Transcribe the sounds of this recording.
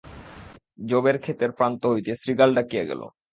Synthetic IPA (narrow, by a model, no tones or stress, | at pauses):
d͡ʑobeɾkʰet̪eɾpɾant̪oɦojt̪esɾiɡalɖakijeɡɛ̰lo̰